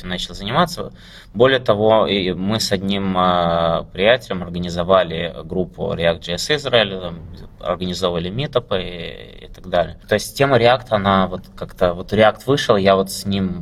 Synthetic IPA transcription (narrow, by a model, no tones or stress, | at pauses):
mnat͡ɕɪlˠzənʲɪmat̪sːə | bo̞lʲɪjət̪ɐvo̞mɨsɐdʲnʲiməpɾʲɪjætʲɪlʲɪmɐrɡənʲɪzɐvalʲɪɡɾupʰːʊ̰ɾʲɪakt̪ʐɨɛsɨzraɪlʲʊt̪amɐ̰rɡənʲɪzo̞vəvəlʲɪmʲit̪əpɨɪ̰t̪ɐɡd̪alʲɪ̰jət̪o̞ɪsʲtʲtʲːe̞məɾʲɪakt̪əɐnavo̞t̪kakt̪əvo̞t̪ɾʲɪakt̪vɨʂɨlˠjavo̞t̪sʲnʲim